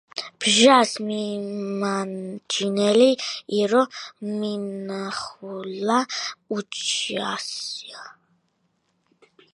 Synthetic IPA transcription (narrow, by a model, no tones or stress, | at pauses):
b̥ʒasmimand͡ʒʰinɛliiɾɔminaχulaut͡ʃʰiasia